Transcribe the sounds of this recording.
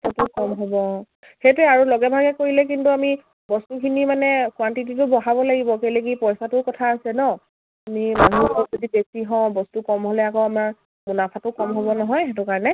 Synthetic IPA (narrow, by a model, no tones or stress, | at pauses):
tɔtʊkɔmɦɔbɔ | xetʊɛaɹulɔɡɛbʱaɡɛkoɹilɛk̬intuami | bɔstukʰinimanɛkwantit̬it̬ʊbɔɦabɔlaɡibɔkejleɡipɔjsatʊkɔtʰaːsɛnɔ | amimanuɔɔtzodibesiɦɔ̃bɔstukɔmɦolɛakɔamaɹ | munapʰatʊkɔmɦoβɔnɔɦɔjxɛtʊkaɹɔnɛ